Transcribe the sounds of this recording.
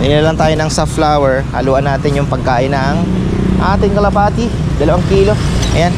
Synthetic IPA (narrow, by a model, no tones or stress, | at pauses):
nɪnnɐlaŋt̪aːjonɐŋsɐflaːwɛɹhɐ̰luːʔɐnːaːt̪ɪnjʊŋpɐɡ̚kaːʔɪnɐːŋ | ʔaːt̪ɪŋkɐlɐpaːt̪ɪ | d̪ɐlɐwaŋkiːlo̞ʔɐjan